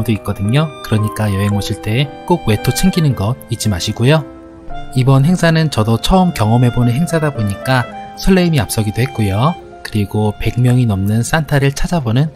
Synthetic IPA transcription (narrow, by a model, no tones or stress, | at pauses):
mdoik̚k͈ʌdɯɲokɯɾʌɲik͈ajʌɦe̞ŋoɕʰiɭt͈e̞ːk͈oɡ̚we̞tʰot͡ɕʰeŋɡinɯnɡʌd̚it͡ɕ͈imaɕʰiɡojo | ibʌnɦe̞ŋsʰanɯnt͡ɕʌdot͡ɕʰʌɯmkjʌŋʌmɦe̞bonɯnɦe̞ŋsʰadaboɲik͈asʰʌɭːeimiap̚s͈ʌɡidoɦe̞t̚k͈ojo | kɯɾiɡope̞ɡ̚mjʌŋinʌmnɯns͈antʰaɾɯɭt͡ɕʰad͡ʑabonɯn